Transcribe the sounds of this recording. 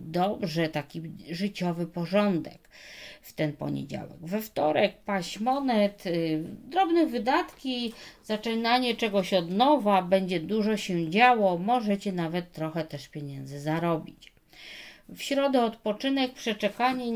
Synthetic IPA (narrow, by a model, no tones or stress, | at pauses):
d̪ɔbʐɛt̪akʲiʐɘt͡ɕɔvɘpɔʐɔnd̪ɛkft̪ɛnpɔ̰ɲḛd͡ʑa̰wɛ̰ɡvɛft̪ɔɾɛk̚paɕmɔnɛt̪d̪ɾɔbnɛvɘd̪at̪kʲiz̥at͡ʂɛnaɲɛt͡ʂɛɡɔɕɔd̪nɔvabɛɲd͡ʑɛd̪uʐɔɕɛd͡ʑawɔmɔʐɛt͡ɕɛnavɛt̪ːɾɔxɛt̪ɛʂpʲjeɲɛnd̪zɘzaɾɔbʲit͡ɕ | fɕɾɔd̪ɛɔt̪pɔt͡ʂɘnɛk̚pʂɛt͡ʂɛkaɲɛ